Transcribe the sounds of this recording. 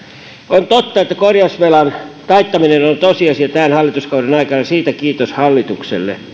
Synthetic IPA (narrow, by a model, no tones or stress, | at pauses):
ont̪ot̪ːɑet̪ːækorjɑusʋelɑnt̪ɑit̪ːɑminenont̪osiɑsiɑt̪æːnhɑlːˑit̪uskɑˑudenɑikɑnɑsiːt̪ækiːt̪oshɑlːit̪uksḛlːḛ